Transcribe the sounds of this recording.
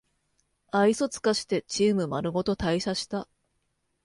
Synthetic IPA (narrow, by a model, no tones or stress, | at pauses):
aiso̞t͡sɨ̥kaɕi̥t̪e̞t͡ɕiːmɯ̟maɾɯ̟ɡo̞t̪o̞t̪aiɕaɕi̥t̪a